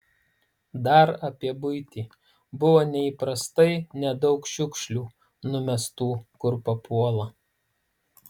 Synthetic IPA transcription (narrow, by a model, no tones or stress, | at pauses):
d̪ɐɾɐpʲiɛbʊɪt̪ʲiː | bʊʋoːnʲɛiˑpɾɐst̪ɐɪnʲɛd̪ɒʊkʃʲʊkʃʲlʲuː | nʊmʲɛst̪uːkʊɾpɐpuɔlˠɐ